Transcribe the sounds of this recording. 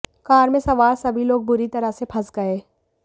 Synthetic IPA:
kaːɾmẽsɐʋaːɾsɐbʱiloːɡ̚bʊɾit̪ɐɾəsepʰɐsɡɐeː

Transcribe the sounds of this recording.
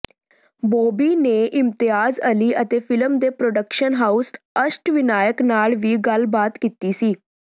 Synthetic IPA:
bobiːneʔimt̪iɦaːzəliːʔət̪efiləmd̪epɾoɖəkʃənɦaus | əʃʈʋinaːjəknaɭʋiːɡəlbat̪kit̪iːsiː

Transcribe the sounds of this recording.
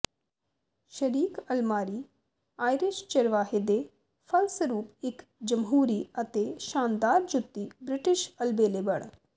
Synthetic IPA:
ʃɐɾiːkɐlmaːɾiː | aːjɾɪʃt͡ʃɐɾʋaːɦed̪e | fʰɐlsəɾuːpɪkd͡ʒəmɦuːɾiɐt̪eʃaːnd̪aːɾd͡ʒʊt̪ːibɾɪʈɪʃɐlbeːlebɐɳ̃

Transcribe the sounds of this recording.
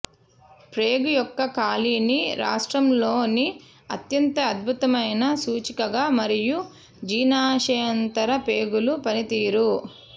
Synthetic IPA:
pɾeːɡujɔkːɐkaːliːniɾa̰ːʂʈɾɐmlo̞ːni | ɐt̪jɐnt̪ɐːd̪̚bʱut̪ɐmɐjnɐsuːt͡ʃikɐɡaːmɐɾiju | d͡ʒiːnaːʂɐjɐnt̪ɐɾɐpeːɡulupɐnit̪iːɾu

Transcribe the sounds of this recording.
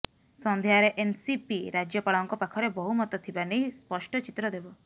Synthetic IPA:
sɔnd̪ʱjaɾeʔensipiɾad͡ʒjɔpaɭɔŋkɔpakʰɔɾebɔɦumɔt̪ɔt̪ʰibanejspɔsʈɔt͡ʃit̪ɾɔd̪ebɔ

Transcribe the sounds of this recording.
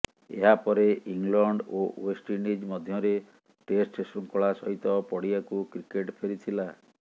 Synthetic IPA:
ḛɦapɔɾeiŋlɔɳɖowesʈinid͡ʒmɔd̪ʱjɔɾe | ʈesʈsɾuŋkɔɭasɔɦit̪ɔpɔɽiakukɾikeʈpʰeɾit̪ʰila

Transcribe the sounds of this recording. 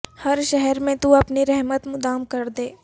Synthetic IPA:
hɐɾʃɛɦɛɾmẽt̪uɐpniɾɛɦmət̪mʊd̪aːmkɐɾd̪eː

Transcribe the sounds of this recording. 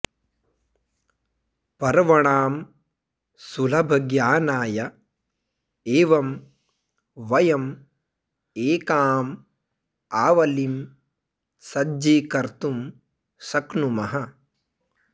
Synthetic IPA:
pɐɾʋɐɳaːm | sulɐbʱɐɡjaːnaːjɐ | eːʋɐm | ʋɐjɐm | eːkaːm | aːʋɐlim | sɐd͡ʒiːkɐɾt̪um | sɐknumɐɦɐ

